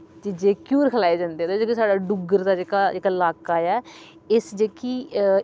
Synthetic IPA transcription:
d͡ʒɪd͡ʒeːkjuːɾkʰəlaːeːd͡ʒãːnd̪eːt̪oːd͡ʒeːkisaːɖaːɖʊɡəɾd̪aːd͡ʒeːkaːd͡ʒeːkaːlaːkaːjɛː | ɪsd͡ʒeːki

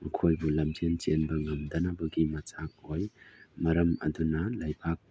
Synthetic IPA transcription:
mɐkʰojbulɐmd͡ʒent͡ʃenbɐŋɐmd̪ɐnɐbɐɡimɐt͡ʃak̚hojmɐɾɐmɐ̰dunɐlajpʰak̚

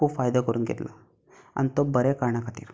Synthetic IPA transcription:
upʰaːjd̪ɐkoɾuŋɡḭɾlɐ̰ | ɐ̰nt̪obɐɾekaːɾɳɐkɐʈ̪ḭɾ

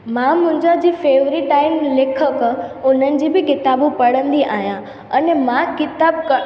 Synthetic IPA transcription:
mãmʊ̃ɦɪ̃ɲd͡ʑad͡ʑiːfeːʋɾiʈaːɪmleːkʰəkʊnənɪ̆d͡ʑiːbɪkɪt̪aːbũpɐɽ̤ə̃nd̪iʔaːɦjã | ɐnemãkɪt̪aːb̚k

